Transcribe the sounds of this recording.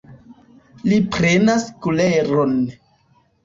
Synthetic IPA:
lipɾenaskuleɾon

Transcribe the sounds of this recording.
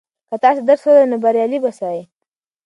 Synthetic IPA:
kat̪ɑs̬ed̪əɾsolanobaɾjɑlibasɑje

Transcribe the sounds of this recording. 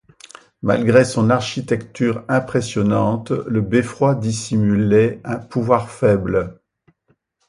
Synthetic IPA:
ma̰lɡʁesɔ̃naʁʃit̪ɛkt̪yʁɛ̃pχesjɔnɑ̃t̪ləbefχwad̪isimylɛɛ̃puvwaʁfɛbl

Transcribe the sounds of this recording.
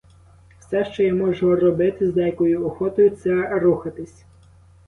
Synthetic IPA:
wsɛʃt͡ʃɔjamɔʒɔrɔbɪt̪ɪzd̪ɛjɐkɔjʊɔxɔt̪ɔjʊt̪sɛruxɐt̪ɪsʲ

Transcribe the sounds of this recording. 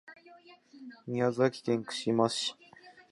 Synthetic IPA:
ɲʲiazɨakʲi̥kẽŋkɯ̟̥ɕimasɨ̥ɕi̥

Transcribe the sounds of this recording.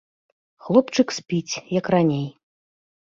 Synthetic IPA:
xlˠɔpt͡ʂɨksʲpʲit͡sʲjɐkranʲej

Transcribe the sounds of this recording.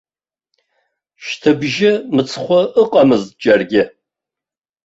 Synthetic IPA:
ʃtʰɨbʒɪmɨt͡sʰχʷɔʔəqʼɐmɨzd͡ʒʼɐrɡʲɪ

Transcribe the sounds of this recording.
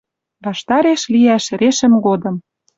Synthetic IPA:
βɑʃt̪ɑɾeʃliæʃɾeʃə̆mɡod̪ɤ̆m

